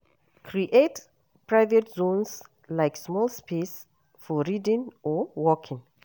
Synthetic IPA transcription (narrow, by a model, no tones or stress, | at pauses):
kʰɹiʔet | pɹaɪvɛtzõns | laɪksmɔlˠspʰes | fɔɹidɪ̃ŋɔwɔkʰɪ̃ŋ